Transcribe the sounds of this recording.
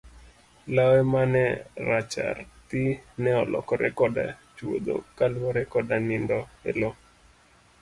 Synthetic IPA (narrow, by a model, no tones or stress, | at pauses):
lawɛmanɛɾat͡ʃa̰rt̪inɛɔlɔ̰kɔɾʔɛ̰kɔda̰t͡ʃwo̰d̪o̰kalwɔɾɛkɔdanindɔɛ̰lo